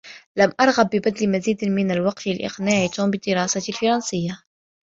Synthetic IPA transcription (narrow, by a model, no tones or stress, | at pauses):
lamʔɑɾˤɣabːɪbad̪lmaziːd̪mɪnalwɑqt̪ɪlʔɪ̰qnaːʕit̪umbɪd̪ːɪɾɑːsalfɑɾˤɑnsɪjːa